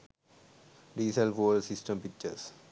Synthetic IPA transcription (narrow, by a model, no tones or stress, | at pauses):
ɖiːselfoːlsɪsʈə̃mpɪk̚t͡ʃəɾs